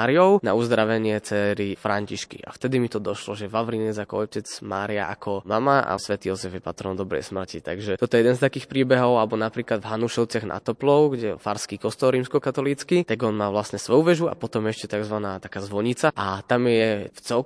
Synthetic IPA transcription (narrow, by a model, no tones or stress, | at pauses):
aɾijɔʊna̰uzd̪ɾaʋɛɲɪɛt͡sɛɾifɾʔaɲciʃkḭʔa̰ft̪ɛd̪imit̪ɔd̪ɔʃlɔʒɛʋaʋɾinɛzakɔɔcɛd͡zma̰ːɾia̰ʔa̰kʰɔmamaʔa̰sʋɛt̪iːjɔzɛvjɛpa̰t̪ɾɔnd̪ɔbɾɛ̰jsmr̩cit̪a̰ɡʒɛt̪ɔt̪ɔɛjɛd̪ɛnst̪akiːxpɾiːbɛɦɔʊalɛbɔnapɾiːklad̪vɦanuʃɛʊt͡sɪaɣna̰t̪ɔplɔʊɡɟɛfaɾskikɔst̪ɔlɾiːmskɔkat̪ɔliːt͡skit̪aɡɔnmaːʋlasɲɛsʋɔjuʋɛʒua̰pɔt̪ɔmɛɛʃcɛt̪aɡzʋanaːt̪akaːzʋɔɲit͡saʔat̪amjɛjɛft͡sɛl